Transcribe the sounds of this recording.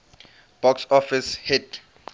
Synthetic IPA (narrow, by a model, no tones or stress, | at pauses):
b̥ɔksɔfishit